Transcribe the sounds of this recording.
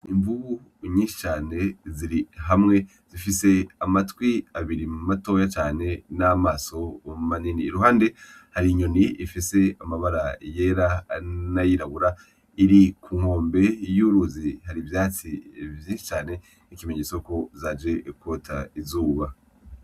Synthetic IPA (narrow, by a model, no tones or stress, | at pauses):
iɱvu | ɲiːnʃi̥t͡ʃaːne̞ziɾiɦamŋe̞ | z̥ifise̞amatwiaβiɾimumato̞ːjat͡ʃaːne̞namaːso̞maniniːɾuɦaːnde̞haɾiɲo̞niifise̞amaβaɾaje̞ːɾanajiɾaβuɾa | iɾikʰuːŋ̥o̞ːmbe̞juːɾuzihaɾivjaːt͡sivjiːnʃi̥t͡ʃaːne̞ | nikimeɲet͡soko̞zad͡ʒe̞kotʰaizuːβa